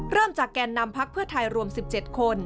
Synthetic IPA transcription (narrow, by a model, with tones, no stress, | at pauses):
ɾɤː˥˩mt͡ɕaː˨˩kːɛː˧nːa˧mpʰa˦˥k̚pʰɯ˥˩ət̪ʰa˧jɾu˧əmsi˨˩p̚t͡ɕe˨˩t̪̚kʰo˧n